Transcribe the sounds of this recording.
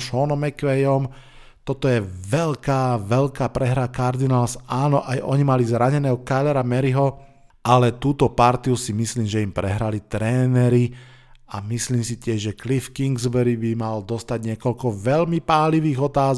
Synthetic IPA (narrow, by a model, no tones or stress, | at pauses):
ʃɔnɔmɛkʋɛjɔm | t̪ɔt̪ɔjɛʋɛʎkaːʋɛʎkaːpɾɛɦɾakaɾd̪inaːlsaːnɔʔajʔɔɲimalizɾaɲɛnɛːɦɔkalɛɾamɛɾiɦɔ | alɛt̪uːt̪ɔpaɾt̪iusimisliːmʒɛimpɾɛɦɾalit̪ɾɛːnɛɾi | amisliːmsit̪ɪɛʒʒɛklifkiŋɡzbɛɾibimald̪ɔst̪aɟɲɪɛkɔʎkɔʋɛʎmipaːliʋiːɣɔt̪aːz